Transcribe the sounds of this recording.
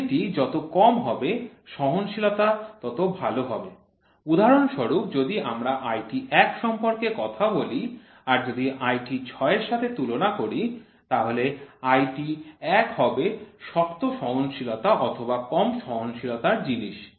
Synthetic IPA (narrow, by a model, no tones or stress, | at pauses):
ʈid͡ʑɔt̪okɔmɦɔbeʃɔɦonʃilot̪at̪ɔt̪obʱaloɦɔbe | ud̪ʱaɾonʃɔɾup̚d͡ʑod̪iamɾaʔajʈiʔɛkʃɔmpoɾkekɔt̪ʰaboli | aɾd͡ʑod̪iʔajʈit͡ɕʰɔeɾʃat̪ʰet̪ulonakoɾi | t̪aɦoleajʈiɛkɦɔbeʃɔkt̪oʃɔɦonʃilot̪aʔɔt̪ʰobakɔmʃɔɦonʃilot̪aɾd͡ʑiniʃ